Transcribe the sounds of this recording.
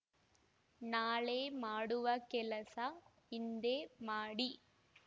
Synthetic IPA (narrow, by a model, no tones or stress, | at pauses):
naːleːmaːɽɯʋɐkɛlɐsa | ɪnd̪eːmaːɽi